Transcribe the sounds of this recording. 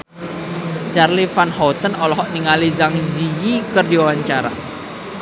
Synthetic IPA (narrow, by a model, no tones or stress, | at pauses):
t͡ʃarlifanhɔt̪ənɔlɔɦɔʔniŋalizaŋzijikərdiwawaɲt͡ʃaɾa̰